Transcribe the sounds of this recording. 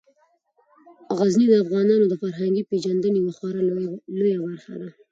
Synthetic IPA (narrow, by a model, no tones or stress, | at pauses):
ɣaznid̪əafɣɑnɑnod̪əfaɾɦaŋɡiped͡ʒand̪ənewaxwɑɾalojabaɾxa̰d̪a